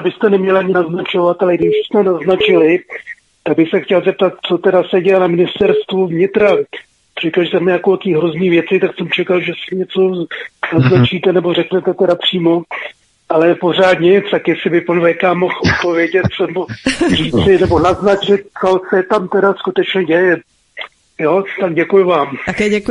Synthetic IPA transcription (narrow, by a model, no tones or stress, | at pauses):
bɪst̪ɛnɛmɲɛlaɲɪnaznat͡ʃo̞vat̪alɛɡdɪbɪʃsmɛnaznat͡ʃɪlɪ | t̪aɡ̚bɪxsɛxcɛlzɛp̚t̪at̪̚t͡so̞t̪ɛdasɛɟɛjɛnamɪnɪst̪ɛɾst̪vuvɲɪt̪ɾa | r̥ɛkalʒɛsɛmɛakok̪iːɦɾozniːvjɛt͡sɪt̪aksɛmt͡ʃɛkalʒɛsɪɲɛt͡so̞naznat͡ʃiːt̪ɛnɛbo̞rɛknɛt̪ɛt̪ɛɾapr̥iːmo̞ | ʔalɛpo̞r̝aːd̪ɲɛt͡st̪akjɛsɪbɪpanvɛkaːmːoxʔot̪̚po̞vjɛɟɛt̪̚snɛboriːt͡sɪnɛbo̞naznat͡ʃɪt̪̚t͡sosɛt̪amt̪ɛdaskut̪ɛt͡ʃɲɛɟɛjɛ | joːt̪aɡ̚ɟɛkujʊvaːmkɛɛ